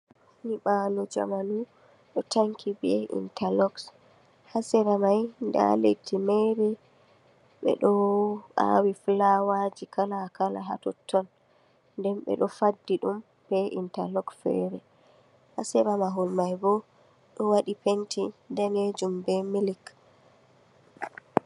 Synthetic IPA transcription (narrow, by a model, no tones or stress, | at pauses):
niɓalud͡ʒa̰manu | ɗɔtʰaŋkʰibɛḭntʰalɔks | hasɛɾamajnda̰letʰːimɛɾɛ | ɓɛ̰ɗɔʔa̰wiflawad͡ʒikʰalakala̰ɦa̰tɔtʰːɔn | ndɛmɓɛ̰ɗɔfadːiɗum | b̥ɛʔḭntalɔksfɛ̰ɾɛ | hasɛɾamaɦɔlmajbɔ | ɗɔwaɗipentʰidaned͡ʒumbɛmilik